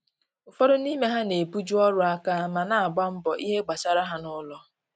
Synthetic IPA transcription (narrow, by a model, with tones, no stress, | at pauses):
ʊ˨fɔ˦ɾʊ˦ni˦me˦ɦa˦ne˨pu˦d͡ʒu˦ɔ˦ɾʊ˦a˦ka˦ma˨na˨a˨ɡ͡ba˦m̩˦bɔ˨ʔi˦ɦe˦ɡ͡ba˨sa˨ɾa˦ɦa˨nʊ˦lɔ˦